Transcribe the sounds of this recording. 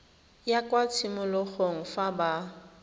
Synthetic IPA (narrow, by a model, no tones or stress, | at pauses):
jakʼwat͡sʰimʊlʊk͡xoŋ̩faba